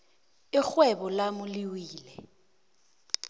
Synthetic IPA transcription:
ɪk͡xwɛbɔlamʊliwiːlɛ

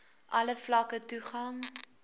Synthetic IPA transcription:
ʔɐləflɐkətuχɐŋ

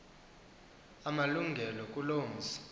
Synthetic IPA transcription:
amaluŋɡʱɛlɔkʼuloːm̩zi̥

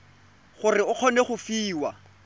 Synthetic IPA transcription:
χʊrɪʊq͡χʰɔneχʊfiːwa

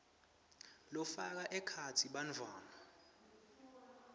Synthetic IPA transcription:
lɔfak̬aʔɛkʰatʰiɓand͡vʱaːna

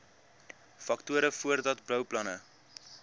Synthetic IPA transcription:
fɐktuəɾəfuərdɐtblœwplɐnə

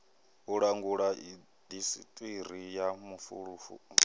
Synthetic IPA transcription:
ɦuɺaŋɡuɺai | d̪isḭtʼiɾijamufṵɺufṵ

